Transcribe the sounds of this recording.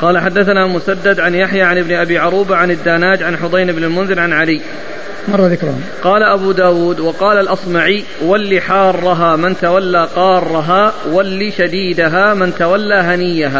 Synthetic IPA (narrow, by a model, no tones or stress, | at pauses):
qɑːlaħad̪ːaθanaːlmʊsad̪ːad̪ʕanjaħjaːʕanɪbnɪʔabiːʕʊɾˤuːbaʕanad̪ːaːnaːd͡ʒʕanħʊd̪ˤɑjnɪbnɪlmʊnzɪlʕanʕaliː | mɑrˤːɑðɪkɾˤɑ̰ | qɑːlaʔabuːd̪aːwuːd̪wɑqɑːlalʔɑsˤmaʕi | walːiːħɑːrˤːɑɦaːmɪnt̪awalːaːqɑːrˤːɑɦaːwalːiːʃad̪iːd̪aɦaːmɪnt̪awalːaːɦanɪjːaɦaː